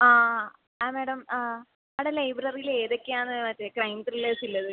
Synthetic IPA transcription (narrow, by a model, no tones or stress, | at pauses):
aː | ameːɽɐm | ɐɽelɐjbrɐrijile̞ːðokːeaːnːɨmɐtːekrɐjmtrileːsilːɐðɨ